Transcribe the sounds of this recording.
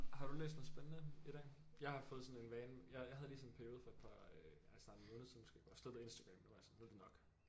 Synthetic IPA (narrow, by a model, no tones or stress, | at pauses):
hɑ̈ɾ̥ulḛːsd̥nɔ̽ð̩ˠsb̥enənəid̥ɛ̰ːjɑ̈ɪhɑ̈fɔ̽ːð̞ˠsɒ̽ne̝nʋɛːnjɑ̈ɪjɑ̈ɦæðˠliːsɒnenpʰæɐijo̝ːð̞̩ˠfʁɒ̽ed̥̚pʰɑ̈snɑ̈ːd̥əmoːnðˠsʰemosɡ̥e̝ːb̥ɒseð̩ˠe̝nsd̥æɡ̥ʁɛ̰md̥eʋɑ̈jɑsɒ̽nːod̥e̝nɒ̽ɡ̥